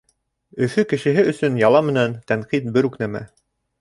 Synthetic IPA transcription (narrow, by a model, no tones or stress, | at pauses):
ɵ̆fɵkɘ̆ʃɘ̆ɦɘɵ̆sɵnjɑlˠɑmɘ̆nænt̪æɴqit̪̚bɘɾʉknæmæ̰